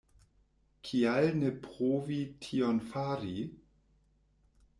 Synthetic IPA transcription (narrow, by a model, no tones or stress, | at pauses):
kʰialnepʁoːvitʰionfaɾi